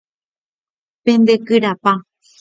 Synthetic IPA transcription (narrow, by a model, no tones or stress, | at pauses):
pẽ̞nd̪ekɨɾapa